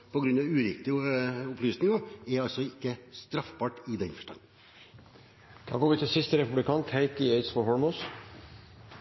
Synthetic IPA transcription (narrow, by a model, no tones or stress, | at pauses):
pɔɡɾʉnɑʋʉːɾɪk̚t̪ɪʊplyːsnɪŋɑɛɾɑlsɔɪkːəst̪ɾɑfbɑːʈɪd̪ɛnfœ̥ʂʈɑ̰n | d̪̥ɑ̰ːɡoːɾʋɪt̪ʰɪlsɪst̪əɾɛpʉblɪkʰɑːnt̪ʰhæɪt̪ɪeɪt̪sfɔɦɔɹmɔs